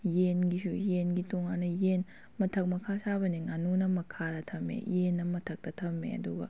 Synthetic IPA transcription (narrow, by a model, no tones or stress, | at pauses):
jenɡisujenɡitoŋanːɐjen | mɐtʰɐk̚mɐkʰasabɐniŋanunɐmɐkʰːaɾɐtʰɐmːḛjenːɐmɐtʰɐk̚tɐtʰɐmːḛɐ̰duɡɐ̰